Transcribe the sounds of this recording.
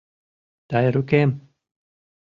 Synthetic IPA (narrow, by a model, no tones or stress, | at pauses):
d̪̥ajɾukem